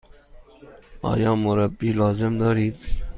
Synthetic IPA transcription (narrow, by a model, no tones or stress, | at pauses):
ɑ̰ːjɑ̃ːmʊɾɐbiːlɑːzɪmd̪ɑːɾiːt̪